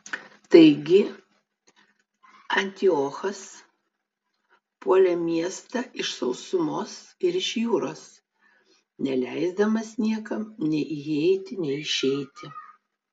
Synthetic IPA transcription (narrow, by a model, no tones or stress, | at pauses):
t̪ɐɪɡʲɪ | ɐnʲt̪ʲɪoːxɐs | puɔlʲɛmʲiɛst̪ɐʔɪʃsɒʊsʊmoːsɪɾɪʃjuːɾoːs | nʲɛlʲɛɪzd̪ɐmɐsnʲiɛkɐmnʲɛɪʔɪɛɪt̪ʲɪnʲɛɪɪʃʲɛɪt̪ʲɪ